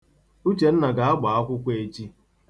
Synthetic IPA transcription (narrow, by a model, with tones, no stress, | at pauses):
u˦t͡ʃe˨n̩˦na˨ɡa˨a˦ɡ͡ba˨a˦kʷʊ˦kʷe˦e˦˨t͡ʃi˦